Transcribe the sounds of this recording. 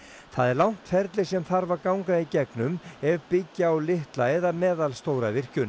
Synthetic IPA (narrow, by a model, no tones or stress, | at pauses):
θaðɛɾlawn̥t̪fɛɾt̪lɪsɛmθaɾvaɾkawŋkaicɛknʏmɛvpɪcːaawlɪht̪laɛðamɛːðalst̪owɾavɪr̥cʏn